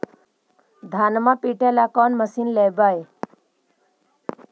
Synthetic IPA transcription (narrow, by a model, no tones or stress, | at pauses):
d̪ʱaːnmapiːʈelakɔːnməsinlebaːe